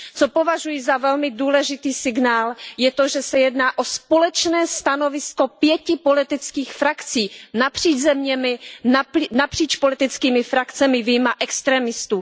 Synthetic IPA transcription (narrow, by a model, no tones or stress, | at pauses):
t͡sopovaʒujɪzavɛlmɪduːlɛʒɪt̪iːsɪɡnaːljɛt̪oʒɛsɛjɛdnaːʔo̞spolɛt͡ʃnɛːst̪ano̞vɪsko̞pjɛcɪpolɪt̪ɪt͡skiːxfɾakt͡siːnapr̝̥iːd͡ʒzɛmɲɛmɪ | napr̥iːt͡ʃpolɪt̪ɪt͡skiːmɪfɾakt͡sɛmɪvijmaʔɛkst̪ɾɛːmɪst̪uː